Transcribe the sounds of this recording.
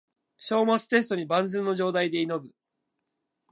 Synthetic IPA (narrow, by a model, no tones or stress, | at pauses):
ɕo̞ːmat͡sɨ̥t̪e̞s̬ɨ̥t̪o̞ɲ̟ibãnd͡zɨ̃nːo̞ʑo̞ːd̪aid̪e̞ino̞bɯ̟